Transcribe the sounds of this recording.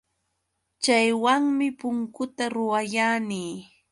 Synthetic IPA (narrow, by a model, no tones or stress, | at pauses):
t͡ʃajwaŋmɪpʊŋkʊt̪aɾʊwajaːniː